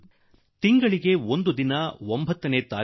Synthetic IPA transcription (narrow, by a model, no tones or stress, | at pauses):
t̪iŋɡɐɭiɡe̞ond̪ud̪inɐwombɐt̪ːɐneːt̪aː